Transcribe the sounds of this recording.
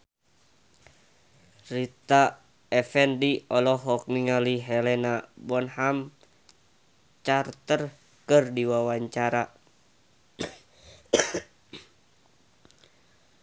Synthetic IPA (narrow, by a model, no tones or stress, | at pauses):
rit̪a | ɛfɛndiɔlɔɦɔk̚niŋaliɦɛlɛnabɔnham | t͡ʃart̪ər | kɨrdiwawaɲt͡ʃaɾa